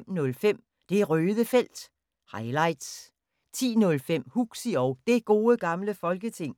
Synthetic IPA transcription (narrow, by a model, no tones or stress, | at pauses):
m̰nɔ̽lfem̰ | d̥e̝æʁøːðˠəfel̰d̥ | hɑ̈ɪlɑ̈ɪ̰d̥s | t͡sʰḭːnɔ̽lfem̰huɡ̥siɒʊd̥e̝ɡ̥o̝ːəɡ̥ɑ̈mləfɒ̽lɡ̥ət͡sʰe̝ŋ̰